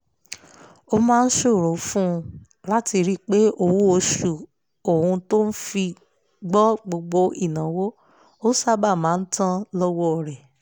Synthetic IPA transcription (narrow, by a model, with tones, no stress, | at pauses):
o˧mãː˦˧n̩˦ʃo˦˨ɾo˨˦fũ˦˧ | la˦ti˧ɾi˦k͡pe˦o˦˨wo˦o˧ʃu˨ | o˨hũ˧to˦n̩˦fi˧ | ɡ͡bɔ˦ɡ͡bo˧ɡ͡bo˧i˦˨nã˨˦wo˦ | o˦sa˦ba˦˨mãː˨˦n̩˦tã˦lɔ˦wɔ˦ɔ˨ɾɛ˨